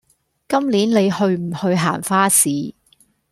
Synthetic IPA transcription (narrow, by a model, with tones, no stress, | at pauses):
kɐ˥mliː˨˥nle˨˧jhɵ˧ɥm̩˨˩hɵ˧ɥɦaː˨˩nfaː˥siː˨˧